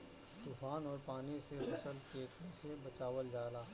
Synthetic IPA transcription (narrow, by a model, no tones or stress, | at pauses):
t̪uːfʰaːnɔːɾpaːniseɦʊsəlkeːʈʰnesebɐt͡ʃaːʋəld͡ʒaːlaː